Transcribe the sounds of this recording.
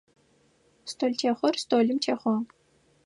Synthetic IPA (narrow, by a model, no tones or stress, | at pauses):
stʰoːlʲtʰeχʷɔrst̪ʰoːlʲɨmtʰeːχʷɔ